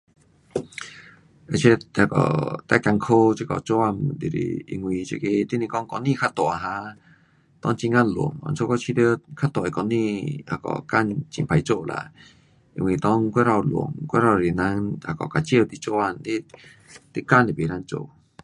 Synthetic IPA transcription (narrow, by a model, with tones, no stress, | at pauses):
e˧˨t͡ɕʰe˧˦a˧˩kɔ̰˨˩t̪a˧˦˨ka˧ŋkʰo˦t͡ɕi˧kɔ˨t͡ɕɔ˧˦a˧˨md̪i˨ɾḭ˨ḭ˧ŋwĩ˧t͡ɕḭ˧ke˧t̪i˦nĩ˧kɔ˦ŋkɔ˧nĩ˧kʰa˦t̪ɔ˨a˨ɦã˧˦ | t̪ɔ˧˦ŋt͡ɕi˧ŋa˧lṵ˨˩ŋɔ̰˧˨nt͡sʰo˧˦kɔ˦˧t͡ɕʰi˧t̪ə˦kʰa˦˥t̪ɔ˨e˨kɔ˧nĩ˧a̰˧kɔ̰˨ka˥˧˨nt͡ɕḭ˨mpʰa˧˦jt͡ɕo˧˨la̰˧˨ | ḭ˧ŋ˧i˨˩t̪ɔ˦ŋkʷe˦ɾa˧˨wlṵ˨˩əŋkʷe˦ɾa˧˨i˨˩na˧˦ŋa˧˩kɔ˨ka˧t͡ɕjə˥˧˨t̪i˧˦t͡so˧˦a˧˨nli˦ | t̪i˦ka˧˨nli˨be˨ɾa˧nt͡ʃo̰˧˨